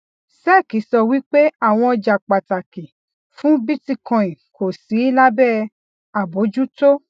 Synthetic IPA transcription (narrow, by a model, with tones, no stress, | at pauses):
sɛ˦˨ki˨˦sɔ˧wi˦k͡pe˦a˦˨w̃ɔ̃˧ɔ˧d͡ʒa˨k͡pa˨ta˨ki˨ | fũ˦bi˦ti˦˨kɔ̃˨ĩ˨ko˨si˨˦i˦la˦bɛ˦˨ | a˨bo˨˦d͡ʒu˦to˦